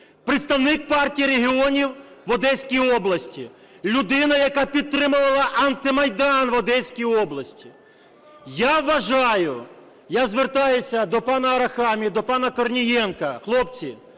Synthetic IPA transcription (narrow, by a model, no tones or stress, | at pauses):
pɾɪt̪st̪ɐwnɪk̚pɑrtʲijiɾeɦʲiɔnʲiwʋɔd̪ɛsʲkʲijɔblˠɐsʲtʲi | lʲʊd̪ɪnɐjɐkɑpʲid̪̚t̪ːɾɪmʊʋɐlˠɐʔɐnt̪ɪmɐjd̪ɑnʋɔd̪ɛsʲkʲijɔblˠɐsʲtʲi̥ | jaʋːɐʒɑjʊ | jazʋert̪ɑjʊsʲɐd̪ɔpɑnɐɐɾɐxɑmʲid̪ɔpɑnɐkɔrnʲijɛnkɐxlˠɔpt͡sʲi